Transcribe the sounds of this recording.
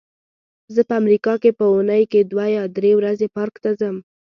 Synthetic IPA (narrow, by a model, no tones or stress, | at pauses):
zəpəamɾikɑkepəunəjked̪wajɑd̪ɾewɾazepɑɾkt̪azəm